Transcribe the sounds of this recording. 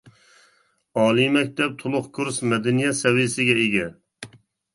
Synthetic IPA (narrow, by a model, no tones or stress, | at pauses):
ɑːlˠimɛk̚ʲt̪ʰɛp̚t̪ʰʊlˠʊqkʰuɾsmɛd̪ɛnijɛsɛwisɪɡʲɛeɡʲɛ